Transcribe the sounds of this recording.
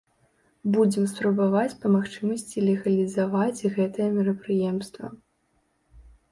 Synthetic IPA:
bud͡zʲɛmspɾɐbavat͡sʲpɐmaxt͡ʂɨmɐsʲt͡sʲilʲɛɣɐlʲizavat͡sʲɣɛt̪ɐjɛmʲɛɾɐpɾɨjɛmst̪vɐ̰

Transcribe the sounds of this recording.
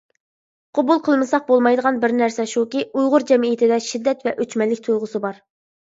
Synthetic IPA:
qʰobulˠqʰəlˠmɨsɑq̚bolˠmɑjd̪əʁɑnbɪɾnæɾsɛʃukʲiujʁʊɾd͡ʒɛmiit̪ʰɪd̪ɛʃid̪ːɛt̪vɛʔøt͡ʃmɛlːɪk̚ʲt̪ʰujʁʊsɨbɑɾ

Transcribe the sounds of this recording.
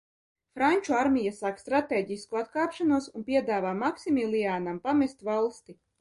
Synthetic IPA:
fɾanʲt͡ʃuaɾmʲijasaːkst̪ɾat̪ɛːɟiskuat̪̚kaːpʃanuɔsunpʲiɛd̪aːvaːmaksimilʲˠiaːnampamɛst̪valˠst̪i

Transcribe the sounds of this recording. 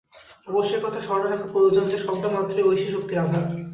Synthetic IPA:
ɔboʃːeɾkɔt̪ʰaʃɔɾɽaɾakʰapɾoɾod͡ʑond͡ʑeʃɔbd̪amat̪ːɾoojʃiʃok̚t̪iɾad̪ʱa

